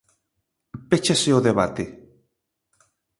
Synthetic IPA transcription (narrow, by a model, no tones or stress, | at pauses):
pet͡ʃaseoðeβat̪e